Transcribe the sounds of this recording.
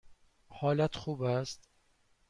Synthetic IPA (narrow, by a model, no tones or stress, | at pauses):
hɒːlæt̪xuːbæst̪